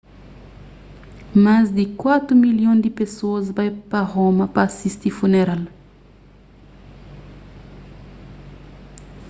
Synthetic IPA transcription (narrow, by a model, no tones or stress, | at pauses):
mazd̪ikwat̪ɾumiljɔ̃d̪ipesozbajpaʁoməpasist̪ifuneɾal